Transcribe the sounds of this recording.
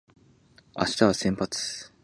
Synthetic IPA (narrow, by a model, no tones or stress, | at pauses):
a̰ɕi̥t̪aβasẽmpat͡sɨ̥